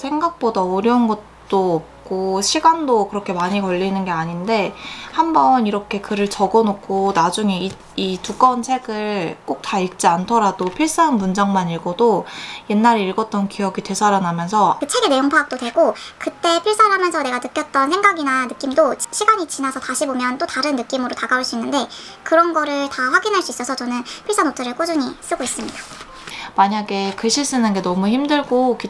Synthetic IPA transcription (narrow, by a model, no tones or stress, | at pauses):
sʰeŋɡak̚p͈odaoɾjʌɯnɡʌt̚tt͈oːp̚k͈oɕʰiɡandokɯɾʌkʰe̞maɲikʌʎːinɯnɡe̞aɲinde̞hambʌniɾʌkʰe̞kɯɾɯɭt͡ɕʌɡʌnokʰonad͡ʑuŋe̞i | ituk͈ʌnt͡ɕʰe̞ɡɯɭk͈ok̚taik̚t͡ɕ͈iantʰʌɾadopʰiɭs͈aɦanmund͡ʑaŋmaniɭɡodoje̞nːaɾeiɭɡʌt̚t͈ʌnkijʌɡite̞sʰaɾanamjʌnsʰʌkɯt͡ɕʰe̞ɡe̞ne̞joŋpʰaːk̚t͈odwe̞ɡokɯt͈e̞pʰiɭs͈aɦamjʌnsʰʌne̞ɡanɯk͈jʌt̚t͈ʌnsʰe̞ŋɡaɡinanɯk͈imdot͡ɕɕʰiɡaɲit͡ɕinasʰʌtaɕʰibomjʌnt͈otaɾɯnːɯk͈imɯɾotaɡauɭs͈uinːɯnde̞ | kɯɾʌnɡʌɾɯɭtaɸwaɡinɦaɭs͈uis͈ʌsʰʌt͡ɕʌnɯnpʰiɭs͈anot͡ɕʰʌɾɯɭk͈od͡ʑuɲis͈ɯɡois͈ɯmɲid̥ḁ | maɲaɡe̞kɯɕʰiɭs͈ɯnɯnɡe̞nʌmuçimdɯɭɡoki